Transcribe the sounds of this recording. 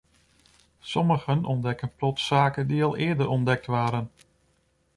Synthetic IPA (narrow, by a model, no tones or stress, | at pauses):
sɔməɣənɔndɛkənplɔtsaːkəndiɑlˠɪːədəɾʔɔndɛk̚tʋaːɾən